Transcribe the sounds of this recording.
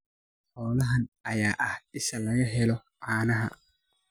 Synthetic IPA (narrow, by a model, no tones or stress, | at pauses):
ħɔːlɐɦɐnɐjaːʔɐhʔɪʃɐlɐɣɐɦɛlɔʕaːnɐɦɐ̰